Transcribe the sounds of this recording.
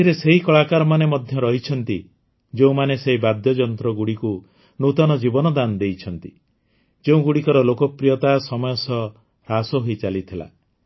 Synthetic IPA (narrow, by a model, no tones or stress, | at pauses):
t̪ʰiɾeseɦikɔɭakaɾɔmanemɔd̪ʱjɔɾɔɦit͡ʃʰɔnt̪i | d͡ʒeũmaneseɦibad̪jɔd͡ʒɔnt̪ɾɔɡuɽiku | nut̪ɔnɔd͡ʒibɔnɔd̪and̪ejt͡ʃʰɔnt̪i | d͡ʒeũɡuɽikɔɾɔlokɔpɾijɔt̪asɔmɔjɔsɔ | ɾasɔɦoit͡ʃalit̪ʰila̰